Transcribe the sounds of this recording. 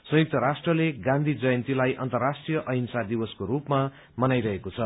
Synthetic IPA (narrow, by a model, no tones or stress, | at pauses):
sʌ̃juk̚t̪ʌɾasʈrʌleɡãnd̪ʱid͡zʌjʌnt̪ilajʔʌ̰nt̪ʌrrasʈrijʌʔʌɦinsad̪ibʌskoɾupma | mʌnajɾʌɦekot͡sʰʌ